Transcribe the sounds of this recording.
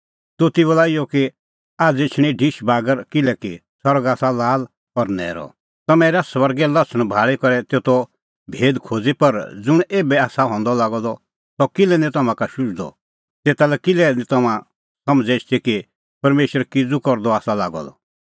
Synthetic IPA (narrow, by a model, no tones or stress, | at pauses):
t̪ot̪ibɔlaːijɔki | aːd͡zet͡ʃʰɽ̃ĩɖʱiʃbaːɡəɾkɪlɛki | sɔɾɡaːsalaːl | ɔɾnɛ̰ːɾɔ̰ | t̪ɐmɛ̃ːɾasʋɐɾɡɛlɐt͡sʰəɽ̃bʱaːɭikɔɾɛt̪eːt̪ɔ | bʱeːd̪kʰoːd͡zipɐɾd͡zʊɽ̃eːbɛaːsaɦɔ̃ːnd̪ɔlaːɡɔd̪ɔ | sɔkɪlɛnɛ̃t̪ɐmãkaʃʊd͡ʒd̪ɔ̰ | t̪eːt̪alɛkɪlɛnĩt̪ɐmã | sɐmd͡zɛt͡ʃʰt̪iki | pɐɾmeːʃwəɾkɪd͡zukɔɾd̪ɔaːsalaːɡɔ̰d̪ɔ̰